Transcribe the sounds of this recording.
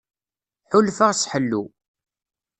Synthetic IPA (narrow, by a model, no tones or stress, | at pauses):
ħʊlfaʁsħəlːu